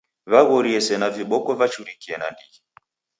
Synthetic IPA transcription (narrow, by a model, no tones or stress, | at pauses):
βaɣɔɾiɛsɛnaviɓɔkɔvat͡ʃuɾikiɛna̰ndii